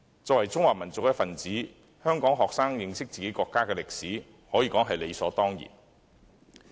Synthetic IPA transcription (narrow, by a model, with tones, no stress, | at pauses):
t͡sɔː˧˨wɐ˨˩jt͡sʊ˥ŋwaː˨˩mɐ˨˩nt͡sʊ˨k̚jɐ˥tfɐ˨nt͡siː˨˥ | hœː˥ŋkɔː˨˥ŋɦɔː˨k̚saː˥ŋjɪ˨˧ŋsɪ˥k̚t͡siː˨ke˨˥jkɔː˧kːaː˥kɛː˧lɪ˨k̚siː˨˥ | hɔː˨˥jiː˧kɔː˨˥ŋɦɐ˨jle˨˧sɔː˨˥t̪ɔː˥ŋjḭː˨˩n